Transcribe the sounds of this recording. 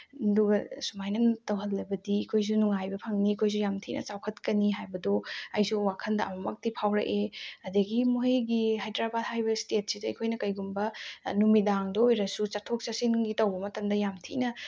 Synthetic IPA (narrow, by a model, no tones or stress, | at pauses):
duɡɐsumajnɐntɐwɦɐlːɐbɐdiːkʰojs̬unuŋajbɐpʰɐŋniːkʰojs̬ujamtʰinʔɐ̰t͡ʃawkʰɐtkɐniɦajbɐdoɐjsuwakʰɐndɐʔɐ̰mɐmɐk̚tipʰawɾɐ̰ʔeɐdɐɡimoɦɐjɡihajdɾabat̚hajbɐstet̚sidɐɐkʰojnɐkɐjɡumbɐnumidaŋdɐojɾɐsut͡ʃatʰok̚t͡ʃasinɡitɐwbɐmɐtɐmdɐjamtʰinɐ